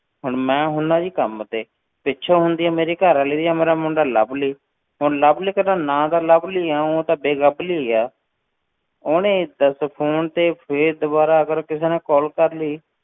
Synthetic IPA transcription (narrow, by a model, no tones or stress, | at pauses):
ɦʊɳmɛ̃ːɦʊnd̪ãːd͡ʒiːkəmt̪eː | pɪtːʃʰaːɦʊnd̪iːaːmeːɾiːkəɾaːleːd̪iːjaːmeːɾaːmʊɳɖaːlə̰bliː | ɦonləbliːkənãːnãːd̪aːləbliːaːõːt̪aːbeːɡəbliːaː | oːnẽːd̪əspʰoːnt̪eːpʰeɾd̪əbaːɾaːəɡəɾkɪseːnẽːkɔːlkəɾliː